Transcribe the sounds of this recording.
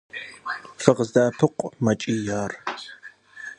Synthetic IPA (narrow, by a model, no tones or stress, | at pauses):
fɨʁzdaːpʰɨqʷʼmɐt͡ʃʼiːjaːr